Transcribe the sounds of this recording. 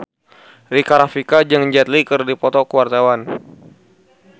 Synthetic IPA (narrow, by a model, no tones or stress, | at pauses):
rikaɾafikad͡ʒɨŋɲd͡ʒɛt̪̚likərdipɔt̪ɔkuwart̪awan